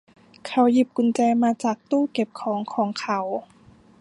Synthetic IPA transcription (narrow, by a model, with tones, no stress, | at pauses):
kʰa˧˦wji˨˩p̚ku˨˧˩nt͡ɕaː˧jmaː˧t͡ɕaː˨˩k̚t̪uː˥˩ke˨˩p̚kʰɔː˩˦ŋkʰɔː˨˩˦ŋkʰa˧˦w